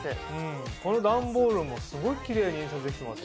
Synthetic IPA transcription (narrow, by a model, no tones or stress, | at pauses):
eɯ̃ko̞no̞d̪ãmbo̞ːɾɯ̟mːo̞sɨɡo̞ikʲiɾe̞ːɲiĩs̬at͡sɨd̪e̞kʲit̪emat̪ː